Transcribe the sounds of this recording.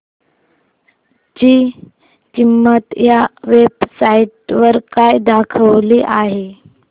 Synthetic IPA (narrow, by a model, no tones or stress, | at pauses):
d͡ʑiː | kimːət̪jaʋebsaiʈʋəɾkajd̪akʰəʋliːʔaɦe